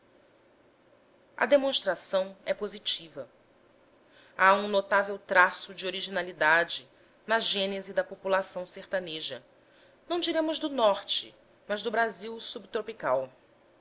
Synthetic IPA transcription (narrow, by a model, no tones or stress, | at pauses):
ɐ̰d̪emõʃt̪ɾasɐ̃w̃ɛpozit͡ʃivɐ | aũnot̪avewt̪ɾasʊd͡ʒɪoɾiʒinalid̪ad͡ʒɪ | nɐʒẽnezid̪ɐpopulasɐ̃w̃seɾt̪ɐneʒɐ | nɐ̃w̃d͡ʒiɾẽmʊzd̪ʊnɔɾt͡ʃɪ̰ | mɐzd̪ʊbɾaziwsubt̪ɾopikaw